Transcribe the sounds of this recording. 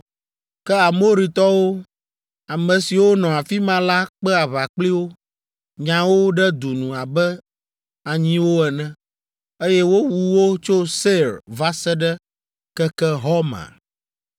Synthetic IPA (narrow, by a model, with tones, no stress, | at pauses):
kɛ˦a˨mo˦ɾi˨t̪ɔ˦wo˦ | a˨mɛ̃˨si˨wo˦nɔ̃˨a˨fi˦mã˦la˦k͡pɛ˦a˨βa˨k͡pli˦wo˦ | ɲã˨wo˦ɖɛ˦d̪u˨nũ˨a˨bɛ˦ | a˨ɲĩ˦wo˦ɛ˨nɛ̃˦ | e˦jɛ˦wo˦wu˨wo˦t͡ʃo˦se˦ɾva˦sɛ˦ɖɛ˦ | kɛ˦kɛ˦ɦɔ˦mã̰˨